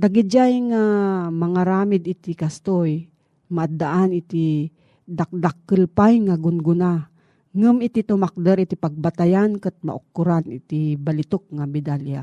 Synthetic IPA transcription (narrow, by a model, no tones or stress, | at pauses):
d̪aɡid͡ʒajŋamaŋaɾaːmɪd̪it̪ikast̪oj | maʔad̪ːaʔanit̪i | d̪ak̚d̪akːəlpajŋaɡʊnɡʊna | ŋɨmit̪it̪ʊmak̚d̪əɾit̪ipaɡ̚bat̪ajankət̪̚ma̰ʔʊkːʊɾanɪ̰t̪ibalɪt̪ok̚ŋamɪd̪alja̰